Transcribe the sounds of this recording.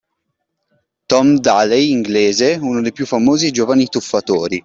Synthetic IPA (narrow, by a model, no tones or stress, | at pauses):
t̪ɔmd̪alejiŋɡleːzeunod̪ejpjufːamoːzid͡ʒoːvanit̪ufːat̪oːɾi